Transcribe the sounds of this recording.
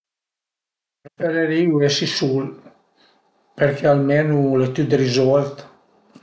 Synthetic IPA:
ɾfeɾeɾiuɛsisul | peɾkʰɛalmenulet̪yd̪rizɔlt̪

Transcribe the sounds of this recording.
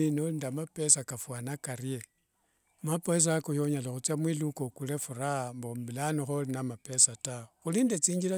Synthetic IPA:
inolindamape̞sakafwanakaɾie | mapoes̬akojoɲalaxut͡sjamwilukokule̞fuɾambombilanixolinamapesataxulindet͡siːɲɟila

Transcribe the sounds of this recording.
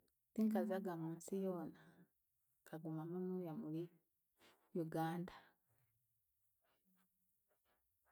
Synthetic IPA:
tiŋkazaɡamuːnsijoːna | kaɡumamunuːjamuli | juɡaːnda

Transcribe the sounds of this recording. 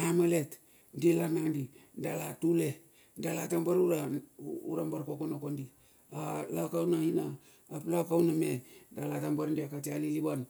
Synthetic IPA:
amalet | ndilanandidalatule | dalatambaɾuɾauɾambaɾkokonokondi | alakawnainaː | plakawnamedalatambaɾndiakatialiliban

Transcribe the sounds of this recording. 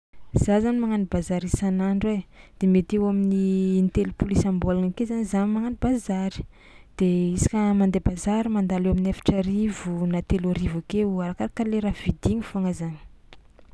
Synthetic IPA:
z̥azanimaŋanibazaɾisanaɳɖ͡ʐed̪̥emet̪ewaminiːnt̪elupulisambolankezanizanimaŋanibazaɾi̥ | d̪̥eisi̥kʲəmand̪ebazaɾimand̪alewaminafḁʈ͡ʂəɾivunat̪eloɾivakeuaɾakaɾakaleɾavid̪iɲifoaŋazani̥

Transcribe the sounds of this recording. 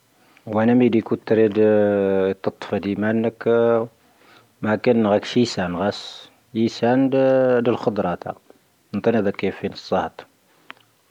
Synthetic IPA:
wænæmid̪ikut̪ːɾid̪ | t̪ːət̪ˤːfɑd̪imænːək | mækænːɣækʃjisænɣæs | jisænd̪əlxod̪ˤɾˤɑt̪æ̰ | nt̪ˤɑnæd̪ækːifinəsˤːɑht̪ˤ

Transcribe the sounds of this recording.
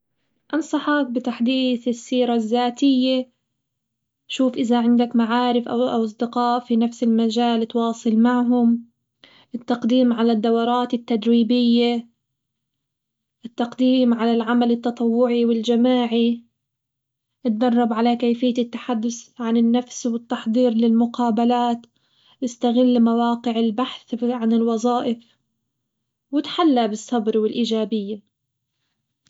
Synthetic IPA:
ʔɑnsˤɑħɑk̚bɪt̪aħd̪iːθɪsːiːɾazːaːt̪ɪjːe | ʃuːfʔɪðaʕɪnd̪akmaʕaːɾɪfʔa̰wʔɑ̰wʔɑs̬ˤd̪ɪqɑːʔfinafsɪlmad͡ʒaːlt̪wɑːsˤɨlmaʕɦʊm | ʔɪt̪ːɑqd̪iːmʕalad̪ːawɑɾˤɑːt̪ɪt̪ːad̪ɾiːbɪjːe | ʔɪt̪ːɑqd̪iːmʕalalʕamalɪt̪ːɑt̪ˤɑwːʊʕiwɪld͡ʒamaːʕi | ʔɪt̪̚d̪ɑrˤːɑbʕalakajfɪjːaɪt̪ːḁħad̪ːʊsʕanɪnːafswɪt̪ːɑħd̪ˤiːɾlɪlmʊqɑːbalaːt̪ | ʔɪst̪aɣɪlːmawɑːqɪʕɪlbaħθʕanɪlwɑzˤɑːʔɪf | wɪt̪ħalːabɨsˤːɑbɾwɪlʔiːd͡ʒaːbɪjːa

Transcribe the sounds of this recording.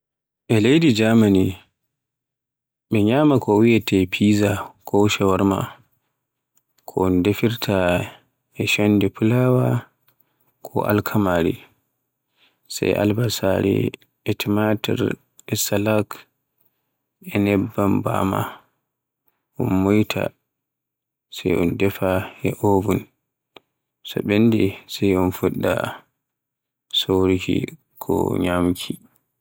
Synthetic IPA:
ʔɛlejdid͡ʒamani | ɓɛɲaːmakʰɔwiɛtʰɛpʰiːzakʰɔwʃɛwaɾma̰ | kʰɔndefiɾtʰa | ɛʃanːdɛpʰulawa | kʰɔʔa̰lkʰamaːɾḭ | sa̰jʔa̰lbasa̰ɾɛ̰ | ɛtʰɛmatɛ̰ɾ | ɛsalak | ɛnɛbːamba̰ma | ʔɔnmujtʰa̰ | sɛjɔndɛfaɛʔobun | sɔ̰ɓenːdɛsɛjɔnfuɗːa̰ | soɾiki | kʰɔ̰ɲamkʰi

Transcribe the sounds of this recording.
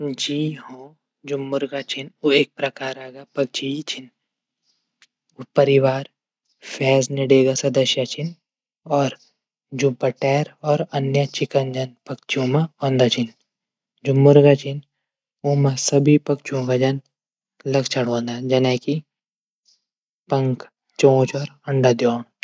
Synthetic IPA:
d͡ʒiːɦõː | d͡ʒʊmːʊɾɡat͡ʃʰinueːk̚pɾɐkaːɾaːɡapɐk̚t͡ʃʰit͡ʃʰin | upɐɾiʋaːɾ | fʰɛːzniɽeːɡasɐd̪ɐʃjat͡ʃʰin | ɔːɾ | d͡ʒubɐʈɛːɾɔːɾɐnjət͡ʃɪkənd͡ʒɐnpɐkt͡ʃʰiõːmaɔ̃ːnd̪at͡ʃʰin | d͡ʒumːuɾɡat͡ʃʰin | umasɐbʱipɐkt͡ʃõɡad͡ʒɐn | lɐɡt͡ʃʰɐɽ̤õːnd̪ad͡ʒɐnaːki | pɐŋk | t͡ʃõːt͡ʃɔːɾɐɳɖad̪jɔːn

